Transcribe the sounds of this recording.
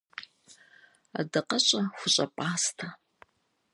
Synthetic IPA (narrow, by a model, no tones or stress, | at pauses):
a̰dɐqɐɕʼɐxʷʊɕʼɐ̰pʷʼaːstʰa